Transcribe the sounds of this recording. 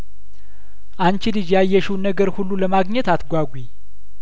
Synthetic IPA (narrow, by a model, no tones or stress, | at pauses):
ʔant͡ʃilɨd͡ʒjajːɛʃuwnəɡəɾhulːuləmaɡɲɛt̪at̪ɡʷaɡʷi